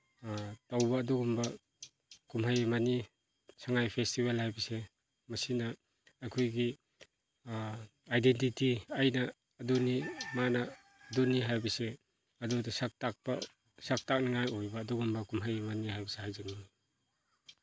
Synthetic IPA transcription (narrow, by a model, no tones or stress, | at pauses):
tawbɐːduɡumbɐ | kumɦajmani | saŋajpʰestibelhajbise | mɐsinɐː | kʰujɡi | ajdentitiajnɐː | dunimanɐː | duniɦajbɐse | ɐdudɐsak̚tak̚ba̰ | sak̚tak̚naŋajojbɐːduɡumbɐkumɦajmanihajbɐsehajzaŋi